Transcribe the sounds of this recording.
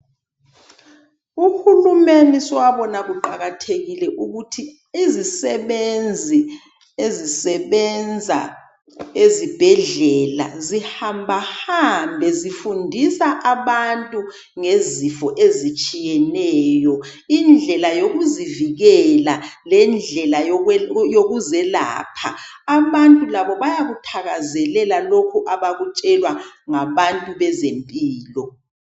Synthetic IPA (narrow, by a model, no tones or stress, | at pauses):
uxulumeniswaβɔnaɣuǃaɣatʰeɣilɛʔuɣutʰiː | zisɛβend͡zʱi | ezisɛβɛnd͡zʱa̰ | ezib̥ʱɛɮɛla̰zihambʱahambʱɛzifundʱisaʔaβantʼu | ŋezifɔʔezit͡ʃʼijɛnɛːjɔ | ind͡ɮʱɛlajoɣuziviɣɛlalɛnd͡ɮʱɛlajoɣuzɛla̰ːpʰa̰ː | βantʼulaβɔβajaɣutʰaɣazɛlɛlalokʰuʔaβaɣut͡ʃʼɛlwaŋaβantʼuβɛzempʼiːlɔ